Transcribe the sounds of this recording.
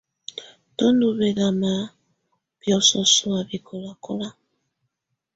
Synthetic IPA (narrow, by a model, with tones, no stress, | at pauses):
tɔ˦ndu˨βɛ˨la˨ma˨˦ | b̥jɔ˨sɔ˨su˨a˨βi˨kʰo˨la˨kɔ˦la˦